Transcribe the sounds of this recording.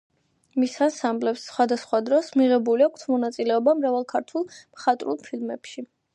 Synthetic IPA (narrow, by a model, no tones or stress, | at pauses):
misasamblɛpsːχwad̪asχwad̪ɾɔsmiʁɛbuliakʷʰt̪ʰmɔnat̪sʼilɛɔbamɾavalˠkʰaɾt̪ʰwulˠmχat̪ʼɾṵlˠpʰilmɛ̰pʃi